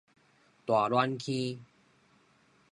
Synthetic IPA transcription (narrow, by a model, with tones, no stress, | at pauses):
t̪waː˨˩lwa˦nkʰĩ˦